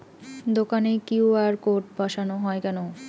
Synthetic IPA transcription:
d̪okanekiwaɾkoɾʈ̚bʱaʃanoɦɔekɛno

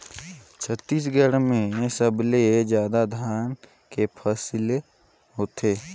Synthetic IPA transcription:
t͡ʃʰət̪ːiːs̬ɡʱəɽmẽsəbled͡ʒjaːd̪ad̪ʱaːn | kepʰəsle | ɦoːt̪ʰeː

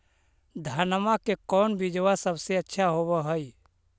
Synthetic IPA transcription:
d̪ʱaːnmakekɔːnbid͡ʒʋasəbseətːʃʰaɦobəɦəi

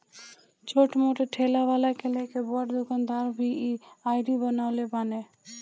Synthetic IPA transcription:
t͡ʃoʈmoʈeʈʰelabalakelekebɔaʈd̪ukand̪aɾbʱiiajɖibənawlebane

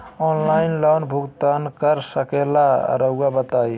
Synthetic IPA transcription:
ɔnlainlənbʱuɡt̪ankəɾsəkela̰ɾəuɡabət̪aj

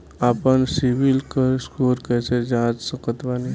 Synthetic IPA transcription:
apənsiʋilkəɾskuːɾkɛːsed͡ʒãːd͡ʒsəkət̪ʋani

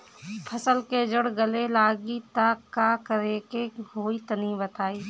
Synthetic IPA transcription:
pʰəsəlked͡ʒəɽɡəlelaːɡit̪aːkːaːkəɾeːkeɦoːit̪ənibət̪aːiː

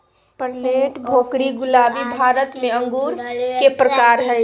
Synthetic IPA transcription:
pəɾleːʈbʱoːkɾiɡʊlaːbibʱaːɾət̪mẽə̃ŋɡuːɾkepɾəkaːɾɦɛ

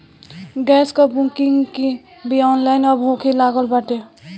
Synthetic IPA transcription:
ɡɛskɔbũkiŋɡki | biɔnlaɪnɔbʱokʰilaɡəlbaʈe

